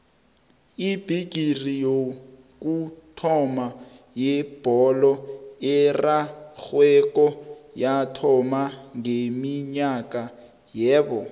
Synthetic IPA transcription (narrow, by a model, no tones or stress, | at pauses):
ib̥ʱiɡ̥ʱirijo | k̬utʰɔma | jɛb̥ʱɔlɔɛraxwɛkʼɔjatʰɔmaŋemiɲakʼa | jɛːbɔ